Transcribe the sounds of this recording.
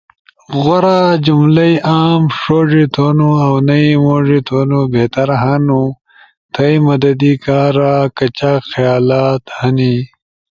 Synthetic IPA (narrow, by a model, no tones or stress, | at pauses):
ɣoɾad͡ʑumlɐjʔaːmʂoːʐit̪ʰoːnuɐwnɐimoːʐit̪ʰoːnubeːt̪ɐɾɦɐnu | t̪ʰɐjmɐd̪ɐd̪ikaːɾakɐt͡ɕaxɐjaːlaːt̪hɐni